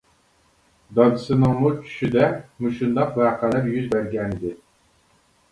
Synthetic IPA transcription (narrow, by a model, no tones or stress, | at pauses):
d̪ɑd̪ɨsɨnɑŋmut͡ʃʰy̥ʃyd̪ɛmuʃund̪ɑqvæːqʰælæɾjyzbæɾɡʲɛnɪd̪ɪ